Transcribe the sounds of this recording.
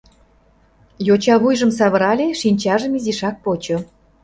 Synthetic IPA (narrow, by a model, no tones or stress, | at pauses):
jot͡ɕɑβujʒə̆msɑβə̆ɾɑlʲeʃinʲt͡ɕɑʒə̆miziʃɑk̚pot͡ɕŏ